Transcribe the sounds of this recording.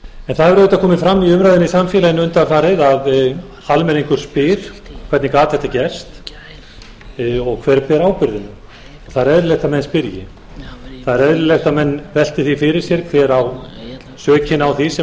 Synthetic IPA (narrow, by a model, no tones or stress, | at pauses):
ɛnθaðɛvɾʏvʏːt̪ːakʰɔːmɪfɾamːiʏmɾajðɪnɪisamfjɛlajɪnʏʏnt̪afaːɾɪðað | halmɛniŋkʏɾ̥spɪɾ̥kʰvɛt̪nɪkaːt̪θɛht̪ːacɛr̥st̪ | ɔɣkʰvɛɾpɛɾawpɪɾðɪnʏ | ɔɣθaðɾɛðɾɪlɛht̪amɛnspɪɾjɪ̰ | θaðɛɾɛðɾɪlɛht̪amɛnːvɛl̥t̪ɪθifɪɾɪɾ̥sjɛɾkʰvɛːɾaw | sœːcʰɪnawθisɛ